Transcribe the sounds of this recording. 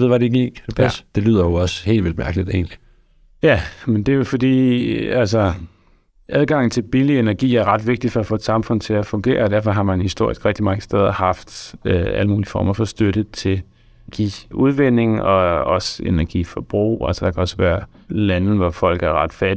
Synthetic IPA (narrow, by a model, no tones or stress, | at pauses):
ʋeðˠʋæɾeɡ̥ʰepʰæsd̥e̝lyːð̞̰ˠɐjoɒ̽səhe̝̰ːlʋeld̥mæɐɡ̥əlid̥e̝̰ːnli | jæmend̥e̝jo̝fɒ̽d̥ḭːæls̬ɒ | ʔæð̞ˠɡ̥ɑ̈ŋ̰n̩t͡sʰe̝lb̥ilienæɐɡ̥ḭːæɐʁɑ̈d̥ʋe̝ɡ̥̚d̥i̥fɒ̽æfɔ̰ːe̝d̥sɑ̈mfɔ̽n̰t͡sʰe̝æfɔ̽ŋɡ̥e̝̰ːɐːd̥æɐfɒ̽ɦɑ̈mænhisd̥o̝ɐ̰isɡ̥ʁɛɡ̥d̥imɑ̈ŋəsd̥eð̞ˠɐhɑ̈fd̥æ̰ləmuːliəfɒːmɐfɒ̽sd̥øɾət͡sʰe̝l | ɡ̥ḭːuð̞ˠʋene̝ŋɒ̽ɒ̽senæɐɡ̥ḭfɒ̽b̥ʁṵːæ̰lsəd̥ɑ̈kʰæɒ̽səʋæːɐ | læn̩ʋɒfɒ̽l̰ɡ̥æɐʁɑ̈d̥fæd